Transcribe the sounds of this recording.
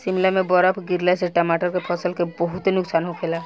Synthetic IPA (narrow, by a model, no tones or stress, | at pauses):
simlamebɔɾɔpʰɡiɾlaseʈəmaʈɔɾkepʰɔsəlkebɔɦut̪enʊksanɦokʰela